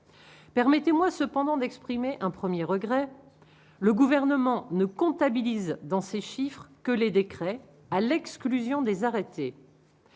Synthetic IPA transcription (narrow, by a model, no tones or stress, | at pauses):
pɛʁmɛt̪emwasəpɑ̃d̪ɑ̃d̪ɛkspχimeʔɛ̃pχəmjeʁəɡʁɛ | ləɡuvɛʁnəmɑ̃nəkɔ̃t̪abilizd̪ɑ̃seʃifχkəled̪ekχɛ | alɛksklyzjɔ̃d̪ezaʁet̪e